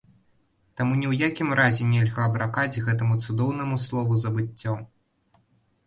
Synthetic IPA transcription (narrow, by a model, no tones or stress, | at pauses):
t̪amunʲiwjakʲimɾazʲɛnʲɛlʲɣaɐbɾakad͡zʲɣɛt̪ɐmut̪sud̪ɔwnɐmuslˠɔvuzɐbɨt͡sʲːɔ